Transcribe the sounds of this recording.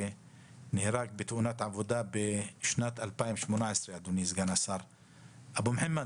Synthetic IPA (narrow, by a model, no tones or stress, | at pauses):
e | nehɾaɡ̚bet̪ʔunat̪ʕavod̪abeʃnat̪alpaimʃmonaʕesɾead̪unizɡanasaɾ | ʔabumħemːa